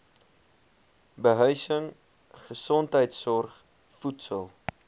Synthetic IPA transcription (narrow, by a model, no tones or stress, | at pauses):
bəɦœɥsəŋ | χəsɔntɦəjtsɔrχ | futsəlˠ